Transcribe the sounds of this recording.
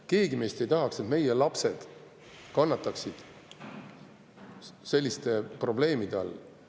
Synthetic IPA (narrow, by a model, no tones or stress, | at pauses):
keːɡime̞st̪e̞jt̪ɑɦɑkse̞t̪me̞jelɑpse̞d̪̥ | kɑnːɑt̪ːˑɑksid̪̥ | se̞lʲːist̪e̞pro̞ble̞ːmid̪̥eɑ̰lː